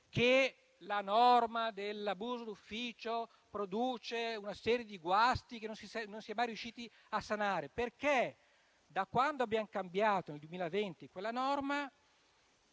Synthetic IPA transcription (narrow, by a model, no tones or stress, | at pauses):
ke | lanɔrmad̪elabuːzod̪ufːiːt͡ʃo | pɾod̪uːt͡ʃeunasɛːɾjed̪iɡwast̪ikenːonsisɛnonsiɛmajrɾijuʃːiːt̪i | asːanaːɾeperke | d̪akːwand̪oabjaŋkambjaːt̪oneld̪uwemiːlavent̪ikwelːanɔrma